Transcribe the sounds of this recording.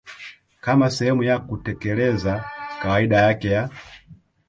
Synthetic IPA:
kamasɛhɛmujakutɛkɛlɛzakawaiɗajakɛja

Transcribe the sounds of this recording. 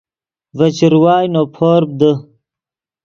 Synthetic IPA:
vɐt͡ɕiɾwaːjnoːpʰoːɾb̚d̪ə

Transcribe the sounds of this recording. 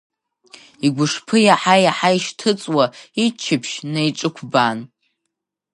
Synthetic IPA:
iɡʷʊʂpʰɨjaħajaħaiʃtʰɨt͡sʼwait͡ʃʰɪpʰʃnajʈ͡ʂʼɨkʷʰban

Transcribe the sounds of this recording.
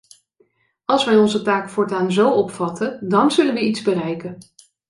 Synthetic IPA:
ɑlˠsʋɛjɔnzətaːkfʊːɹtaːnzowɔpfɑtəndɑnzɵlənʋəidzbərɛjkən

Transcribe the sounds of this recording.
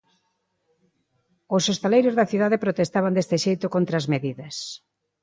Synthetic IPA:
ʊsost̪elejɾʊzðɐθiðaðepɾot̪est̪aβ̞and̪est̪ɪʃejt̪ʊkont̪ɾɐaːzmeðiðɐs

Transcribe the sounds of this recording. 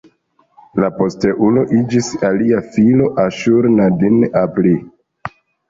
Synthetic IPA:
lapo̞steʔulo̞ʔid͡ʒisaliafilo̞ʔaʃuɾnadinapli

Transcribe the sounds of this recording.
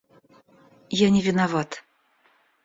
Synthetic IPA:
janʲɪvʲɪnavat̪

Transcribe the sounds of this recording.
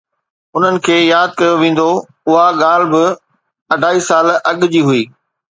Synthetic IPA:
ʊn̤ənɪ̆kʰeːjaːd̪̚kɐjoʋẽːn̆d̪o | ʊɦaɠaːlbɪ | ɐɖʱaːiːsaːlɐɠd͡ʑiːɦʊiː

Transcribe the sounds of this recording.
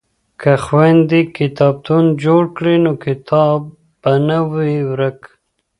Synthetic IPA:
kaxwand̪ikɪt̪ɑb̚t̪ʰund͡ʒoɽkɽinokɪt̪ʰɑbː | anawiwɾək

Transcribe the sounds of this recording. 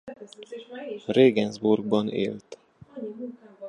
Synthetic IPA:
reːɡɛnzburɡ̚bɒnḛːlt̪

